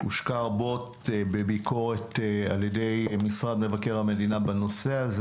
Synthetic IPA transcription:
ṵʃkaʁbo̞t | bebikʰo̞ʁeta̰ljedejmisʁad̪me̞vakeʁhame̞dinabano̞seaz

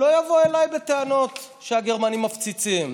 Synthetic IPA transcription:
lo̞javoe̞lajbet̪eano̞t̪ | ʃeaɡeʁmanimːaft͡sit͡sim

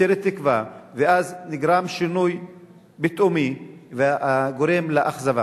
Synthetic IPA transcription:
eɾet̪ːikvaveazniɡɾamʃinuj | bet̪ʔomiveaɡoɾemleʔaχzava̰

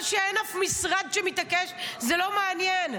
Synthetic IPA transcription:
ʃeenafmisʁad̪ʃemit̪akeʃzelo̞meanjen

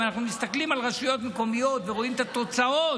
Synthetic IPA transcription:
anaχnumist̪aklimalʁaʃujo̞t̪meko̞mijo̞t̪veʁo̞imet̪at̪o̞t͡sao

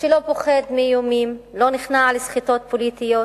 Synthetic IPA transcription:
ʃelopoχed̪mijomimlo̞niχnalesχito̞t̪̚polit̪ijo

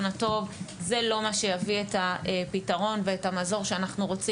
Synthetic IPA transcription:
nato̞vze̞lo̞maʃejavietaepitaʁo̞nveetamazo̞ʁʃeanaχnuʁo̞t͡si

